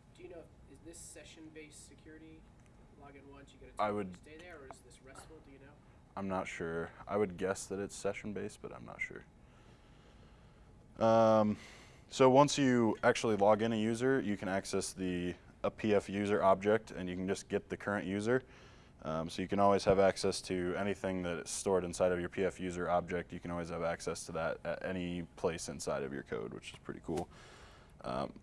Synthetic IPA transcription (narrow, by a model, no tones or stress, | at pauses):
d̥ɨjɨnoʊ | ɪzðɪsɛʃɨ̃nbeɪsɨkʰj̥ʊɹɨɾi | lɔɡɨ̃nwʌ̃nsjɨɡʌɾɨaɪwɨd̚ɪðə˞əɨzðɪsɹɛsd̥ɨjɨnoʊ | ʔãɪ̃mnətʃʊɹa̰ɪwɨd̚ɡɛsðɨɾɨtsɛʃn̩beɪsb̥ʌɾã̰ɪ̃mnə̰tʃʊ̰ɹ | ʔʌ̃m | soʊwʌ̃nsjɨæk̚t͡ʃul̩ˠilɔɡɨ̃nɨjʉzə˞jɨkʰɨ̃ñæksɛsði | əpʰiɛfjʉzə˞ʔɑb̚d͡ʒɛk̚tʰɨ̰̃njɨkn̩d͡ʒʌsɡ̥ɛt̪̚ðɨkʰɜ˞ɨ̃nʔjʉzə˞ | ʔʌ̃msoʊjɨkɨ̃ñɔlˠwiz̥ɨvæksɛstʰɨɛñiθɪ̃ŋðɨɾɨsstɔɹɾɨ̃nsaɪɾʌvjə˞pʰiɛfjʉzə˞ɑb̚d͡ʒɛk̚tjɨkɨ̃ñ̩ɔlˠwiz̥ɨvæksɛstʰəðəɾɨ̰ɾʔɛ̰ñipʰl̥eɪsɨ̃nsaɪɾʌ̰vjə̰˞kʰo̰ʊd̚wɨ̰t͡ʃɨ̥z̥pʰɹ̥ɪ̰ɾḭkʰulˠ | ʔʌ̰̃m